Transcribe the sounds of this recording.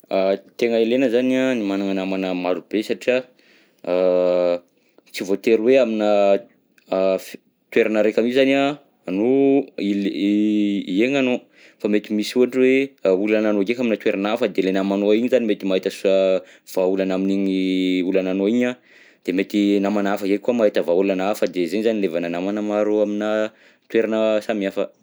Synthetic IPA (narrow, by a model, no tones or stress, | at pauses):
at̪eŋəelenəzanianimanaŋanamanəmaɾub̥esaʈ͡ʂia | t͡sivot̪eɾweamina | t̪weɾanaɾekamizania | anoil | ieŋano | famet̪imisuɦaʈ͡ʂiweulananoɡekaminət̪weɾanafəd̪elenamanoiɲizanimet̪imaɦit̪əsuə | v̥aulanaminiɲiulananoiɲa | d̪̥emet̪inamanafəzekuamaɦit̪əvaulanafəd̪ezenizanilevananamanmaɾoamina | t̪weɾanəsamiafə